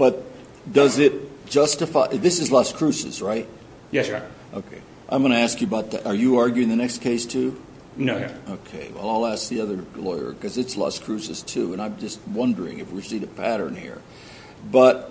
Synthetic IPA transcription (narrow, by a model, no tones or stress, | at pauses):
b̥ʌt̚ | d̥ʌzɪt̚d̥ʒ̥ʌstɨfaɪðɪsɨzlʌskʰɹ̥ʉsɨ̰z̥ɹaɪt̚ | jɛsʔoʊkʰeɪ | ʔã̰ɪ̃mɡʌnɨæskjɨəbaʊt̪̚ðæ̰ɾʔə˞jɨɑɹɡjʉɪ̃ŋðɨnɛkskʰeɪstʰʉ | noʊjæ̰oʊkʰeɪwɛ̰lˠaɪlˠæsk̚ðiʌðə˞lɔɪə̰˞kʌzɨtslʌ̰skʰɹ̥ʉsɨz̥tʰʉə̃ñãɪ̃md͡ʒʌst̚wʌ̃ndə˞ɪ̰̃ŋɨ̰fwɪɹsiɾɨpʰæɾə̰̃˞nhḭɹ | b̥ʌt̚